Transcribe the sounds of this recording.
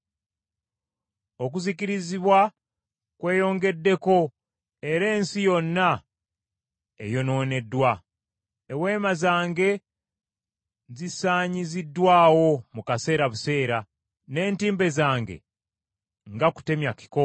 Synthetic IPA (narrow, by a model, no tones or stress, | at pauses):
o̞k̬uzikiɾiziβwa | kwe̞ːjo̞ːŋɡe̞dːe̞ko̞ | e̞ɾe̞ːnsijo̞nːa | ḛjo̞no̞ːne̞dːwa | ewe̞ːmazaːŋɡe̞ | zisaːɲizidːwaːwo̞mukase̞ːɾaβuse̞ːɾa | ne̞ːntiːmbe̞zaːŋɡe̞̰ | ŋɡaku̥te̞mjaki̥ko